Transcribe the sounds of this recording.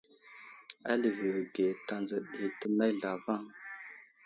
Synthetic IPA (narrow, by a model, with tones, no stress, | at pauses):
a̰˦lə˨və˨wɡe˨ta˨nzə˨ɗi˨tə˦na˦jɮa˨va˦ŋ